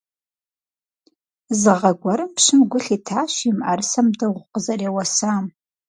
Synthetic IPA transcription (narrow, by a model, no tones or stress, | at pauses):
zɨʁɐɡʷɔɾɨmpʂɨmɡʷʊɬiːtʰaːʃimʔɐrsɐmdɐʁʷʊqəzɐrewɐsaːm